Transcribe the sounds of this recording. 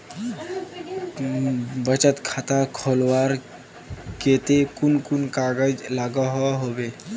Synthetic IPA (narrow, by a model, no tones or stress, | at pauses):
bət͡ɕat̪kʰat̪akʰolʋaɾ | ket̪ekunkunkaɡəd͡ʑlaɡaɦɔʋaɦoʋe